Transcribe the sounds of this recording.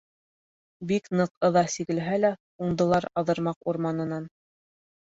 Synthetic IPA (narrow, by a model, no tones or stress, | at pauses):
biknɤqɤ̆ðɑsiɣɘ̆lɦælæ | uɴd̪ɤ̆lˠɑɾɑðɤ̆ɾmɑquɾmɑnɤ̆nɑn